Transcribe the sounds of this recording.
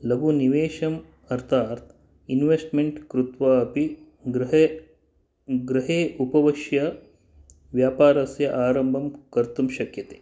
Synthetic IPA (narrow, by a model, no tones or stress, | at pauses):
lɐɡuniʋeːʃɐm | ɐɾt̪ʰaːɾt̪ʰ | inʋesʈmeɳʈkɾut̪ʋaːɐpi | ɡɾ | ɡɾɐɦeːʔupɐʋɐʃjɐ | ʋjaːpaːɾɐsjɐʔaːɾɐmbʱɐmkɐɾt̪umʃɐkjɐt̪e̥ː